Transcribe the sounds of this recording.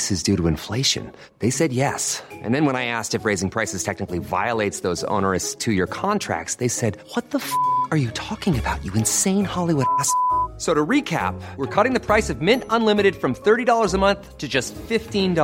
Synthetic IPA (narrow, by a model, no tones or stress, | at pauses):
sɨzdʉɾəɨ̃ɱfleɪʃɨ̰̃n | ðeɪsɛd̚jɛsʔɨ̰̃nðɨ̃nwə̃ñaɪæstɨfɹeɪzɪ̃ŋpʰɹ̥aɪsɨz̥tʰɛk̚nɨkliva̰ɪəlˠeɪtsðoʊzõ̰ʊ̃nə˞ɨstʰɨjə˞kʰɑ̃ntʰɹ̥æ̰k̚tsðeɪsɛd̚wʌt̪̚ðəfə˞jɨtʰɔkɪ̃ŋɨbaʊt͡ʃɨɨ̃nsẽɪ̃nhɑlˠiwʊɾæssoʊɾɨɹikʰæ̰p̚wə˞kʰʌɾɪ̃ŋðɨpʰɹ̥aɪsʌvmɪ̃ntə̃nlɪ̃mɨɾɨd̥fɹʌ̃mθɜ˞ɾidɔlˠə˞zəmʌ̃nθtʰɨd͡ʒʌstfɪftĩnd